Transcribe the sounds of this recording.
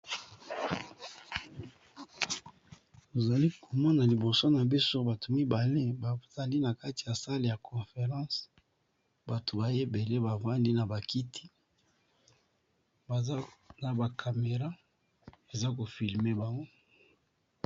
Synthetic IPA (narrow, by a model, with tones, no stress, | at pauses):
o˨za˨li˦ko˨mɔ˦na˨li˨bo˨so˦na˨bi˦so˦ba˨to˨mi˦ba˨le˦ba˨z̥a˨li˦na˨ka˦ti˨ja˨sa˦le˨ja˨kʰɔ̃˨fe˨ʁɑ̃˦s | ba˨to˨ba˨je˦be˨le˦ba˨va˦li˦na˨ba˨ki˦tʰi̥˦ | ba˨za˦na˨ba˨kʰa˨me˨ʁa˦ | e˨za˦k̬o˨fi˨lme˦ba˨ŋɡo˦